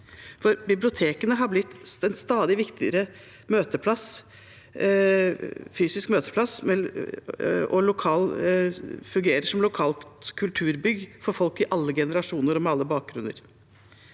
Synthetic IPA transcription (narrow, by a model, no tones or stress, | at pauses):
fɔɾbɪblɪʊt̪ʰeːkənəɦɑblɪt̪ːɛnst̪ɑːd̪ɪʋɪkt̪ɪə̰ɾə | møːt̪əpʰlɑs | fyːsɪskmøːt̪ə̥pʰlɑsmɛ | ɔlʊkʰɑːl | fʉŋɡeːɾəʂɔmlʊkʰɑːlkʰʉlt̪ʰʉːɾbʏɡfɔɾfɔlkɪʔɑlːəɡɛnəɾɑʂuːnəɾɔmɛɑlːəbɑːk̚ɡɾʉnːə̰ɾ